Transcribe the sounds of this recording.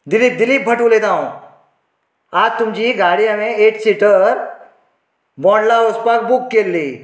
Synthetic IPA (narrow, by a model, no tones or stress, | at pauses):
d̪ɪlip̚d̪ɪliːp̚bʱɐʈuleːd̪aːõ | aːd͡ʒt̪ʊmd͡ʒiɡaːɽijamẽeːʈsiʈəɾ | bɔ̃ːɳɖlaospak̚bukːeːlːiː